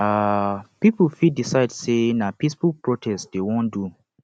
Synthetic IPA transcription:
apipl̩fid̚disaɪdsenapisfulpɹɔtʰɛstd̥ewõndu

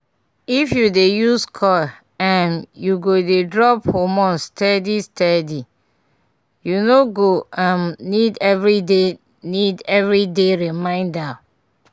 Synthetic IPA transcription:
ifjudejuskʰɔl | ãnjuɡodedɹɔphomɔ̃nstʰɛdistɛdi | junoɡoãmnidɛvɹide | nidɛvɹideɹimãɪ̃nda

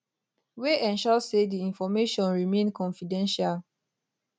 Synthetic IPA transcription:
weʔɛ̃nʃɔsediĩnfɔmeʃɔ̃nɹimẽnkʰɔ̃nfidɛ̃nʃal

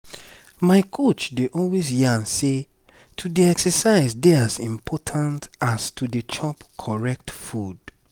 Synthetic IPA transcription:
maɪkʰot͡ʃdeʔɔlwezjiãnse | tʰudiɛksəsaɪzdeazĩmpʰɔtʰãntastʰudet͡ʃʰɔpkʰɔɹɛk̚tfud

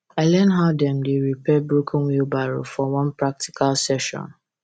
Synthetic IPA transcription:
aɪlɛnɦaʊdɛ̃mdeɹipɛbɹokʰnwilbaɹo̰fɔwɔ̃npɹak̚ti̥kʰalsɛʃɔ̰̃n

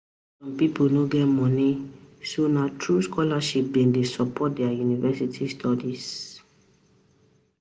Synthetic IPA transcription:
sɔ̃mpiponoɡɛtmɔ̃nisonatʰɹuskɔlaʃip̚bĩndesɔpɔt̚dɛajunivɛsitʰistʰɔdis

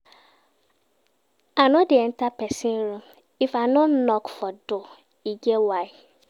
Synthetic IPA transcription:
anʊ̃dɪɛn̩tʰapʰɛsɪ̃nɾũm | ifanɔ̃nnɔkfɔdʊ | iɡɛwaɪ

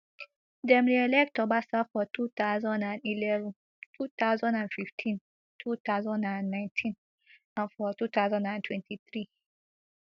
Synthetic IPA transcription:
dɛ̃mɹiɛlɛk̚tɔbasafɔtut̪azãndãnilɛṽn | tʰut̪aʊzãndãnfiftʰĩn | tʰut̪aʊzãndãnːãj̃ntʰĩn | ãnfɔtut̪awzãndãntʰwɛ̃ntʰiθɹi

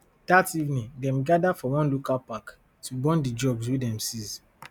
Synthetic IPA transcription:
d̥ativnĩdɛ̃mɡadafɔwɔ̃nlukapak | tubɔ̃ndid͡ʒɔbswedɛ̃msiz

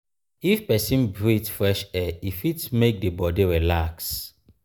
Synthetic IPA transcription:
ifpɛsĩnbɹitfɹɛʃɛifitmek̚debɔdiɹɛlaks

